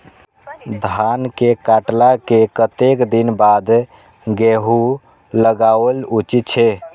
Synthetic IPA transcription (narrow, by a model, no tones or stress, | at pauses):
d̪ʱankekaʈlakekət̪ekd̪inbad̪ | ɡeɦu | ləɡawlut͡ʃit̪t͡ʃʰe